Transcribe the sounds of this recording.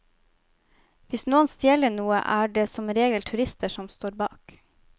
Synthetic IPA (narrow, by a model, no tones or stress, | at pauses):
ʋɪsnuːənst̪jɛlənuːə̰ʔæːɖeːsɔmɾeːɡəlt̪ʰʉɾɪst̪ʰəʃɔmst̪oːɾbɑ̰ːk